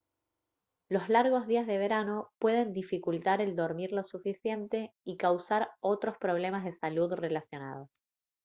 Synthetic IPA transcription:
lo̞zlaɾɣo̞zð̞iazðeβ̞e̞ɾano̞pwe̞ð̞e̞nd̪ifikult̪aɾe̞ld̪o̞ɾmiɾlo̞sufisje̞nt̪e̞ikawsaɾo̞t̪ɾo̞spɾo̞β̞le̞mazð̞e̞saluðre̞lasjo̞na̰ð̞o̞s

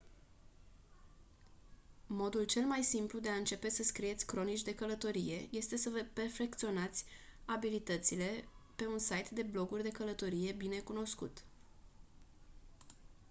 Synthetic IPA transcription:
mo̞d̪ult͡ʃe̞lmajsimplud̪e̞aɨnt͡ʃe̞pe̞səskɾije̞t̪sʲkɾo̞nit͡ʃʲd̪e̞kələt̪o̞ɾije̞je̞st̪e̞səvəpe̞rfe̞kt̪sio̞nat̪sʲabilit̪ət̪sile̞pe̞unsajt̪d̪e̞blo̞ɡurʲd̪e̞kələt̪o̞ɾije̞bine̞kuno̞skṵt̪

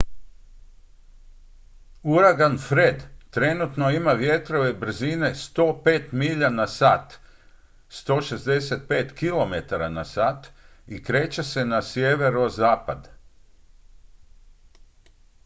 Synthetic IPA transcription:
uɾaɡanfɾe̞d̪t̪ɾe̞nut̪no̞imaʋje̞t̪ɾo̞ʋe̞br̩zine̞st̪o̞ːpe̞ːt̪miʎanasaːt̪ | st̪o̞ːʃe̞zd̪e̞se̞t̪̚peːt̪kilo̞me̞t̪aɾanasat̪ | ikɾe̞ːt͡ɕe̞se̞nasjeʋe̞ɾozaːpad̪

